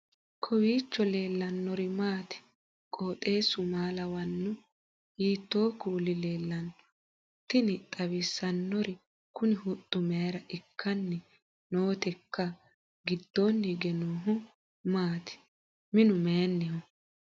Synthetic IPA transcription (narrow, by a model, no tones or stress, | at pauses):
kʰɔwiːt͡ʃːɔle̞ːlːɐnːɔɾɪmaːt̪ɪ̥ | kʼo̞ːt̪ʼe̞ːsʊmaːlɐwɐnːʊ | jiːt̪ːo̞ːkuːlɪle̞ːlːɐnːɔ̥ | t̪ːɪnɪt̪ʼɐwɪsːɐnːɔɾɪ | kʊnɪhʊt̪ʼːʊmɛjɐɾɐʔɪkʰːɐnːɛ | noːt̪ɛkːɐ | ɡɪd̪ːonːɪɡɛnoːɦʊ | maːt̪ɪ̥ | mɪnʊmeɐnːɛhɔ